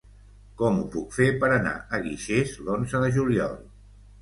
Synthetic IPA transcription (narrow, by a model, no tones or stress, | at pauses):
kɔmupukfepəɾəna̰əɣiʃezlonzəðəʒuliɔ̰lˠ